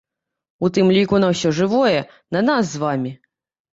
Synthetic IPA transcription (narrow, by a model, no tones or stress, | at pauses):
ut̪ɨmlʲikunɐwsʲɔʐɨvɔjɛ | nɐnas̬zʋamʲi